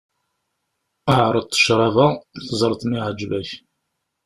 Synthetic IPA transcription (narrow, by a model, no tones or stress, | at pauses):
əʕɾˤəd̪̚t̪ˤːə̥ʃɾˤɑvæθzˤəɾˤθmiʕəd͡ʒvæç